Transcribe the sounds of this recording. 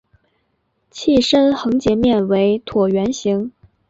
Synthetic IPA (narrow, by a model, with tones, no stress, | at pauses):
t͡ɕʰi˥˩ʂə˥nxɤ˧˥ŋt͡ɕjɛ˧˥mjɛ˥˩nwe˧˥ɪt̪ʰwɔ˨˩ɥɛ˧˥nɕi˧˥ŋ